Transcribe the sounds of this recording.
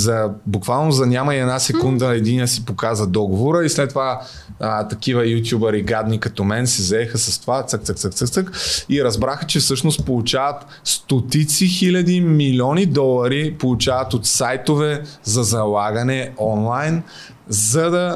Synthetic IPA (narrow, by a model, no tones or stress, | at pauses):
zɐbukvalˠnozɐnʲamɐiɛd̪nasɛkund̪əɛd̪inijəsipokazəd̪ɔɡovoɾəislɛt̪ːova | t̪ɐkivəjut̪̬ʲjubəɾiɡad̪nikɐt̪ɔmɛnsizɛxəsɐst̪ovat̪sək̚t̪ək̚t̪sək̚t̪ək̚t̪əkiɾɐzbɾaxət͡ʃɛfsɤʃnost̪̚polˠut͡ʃavɐt̪ | st̪ot̪it̪sixilʲɐd̪imilʲɔnid̪ɔlˠɐɾipolˠut͡ʃavɐt̪ot̪sajt̪ovɛzɐzɐlˠaɡɐnɛɔnlˠajn | zɐd̪ɐ